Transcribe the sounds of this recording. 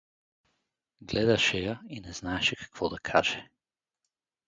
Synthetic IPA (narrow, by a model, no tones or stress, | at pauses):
ɡlɛd̪aʃɛjainɛznaɛʃɛkḁkvɔd̪akʰaʒ̥ɛ